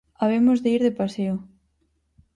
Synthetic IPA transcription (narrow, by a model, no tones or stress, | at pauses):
aβ̞emozðeiɾðepaseʊ